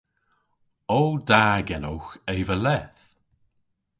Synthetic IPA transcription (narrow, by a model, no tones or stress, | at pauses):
oldaːɡɛnowxeːvəlɛθ